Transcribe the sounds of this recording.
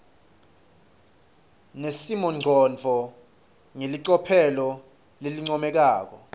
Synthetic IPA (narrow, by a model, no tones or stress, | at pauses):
nesimɔŋ͡ǀʱɔnd͡vʱɔ | ŋeliǀɔpʰɛlɔ | leliŋ͡ǀɔmɛk̬aːk̬ɔ